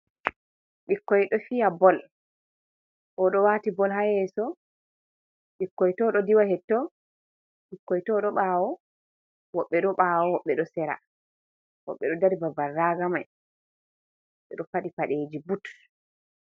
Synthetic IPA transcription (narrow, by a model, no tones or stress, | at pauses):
ɓikːɔjɗɔfijabɔl | ʔɔɗɔwaːtibɔlɦajɛsɔ | ɓikːɔjtɔɗɔdiwahɛtːɔ | ɓikːɔjitɔɗɔɓawɔ | wɔɓːɛɗɔɓaːwɔwɔɓːɛɗɔsɛɾa̰ | wɔ̰ɓːɛɗɔdaɾibabarːaːɡamaj | wɔɓɛ̰ɗɔfaɗipaɗeːd͡ʒibut